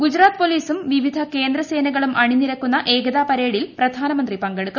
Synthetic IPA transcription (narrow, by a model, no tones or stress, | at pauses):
ɡud͡ʑɾaːt̪ɨpo̞liːsumʋiʋid̪ʱɐke̞ːnd̪ɾɐse̞ːnɐɣɐɭumʔɐɳinːiɾɐkːunːɐʔe̞ːɡɐðaːpɐɾe̞ːɽilprɐd̪ʱaːnɐmɐnd̪ripɐŋɡeɽuk̪ːu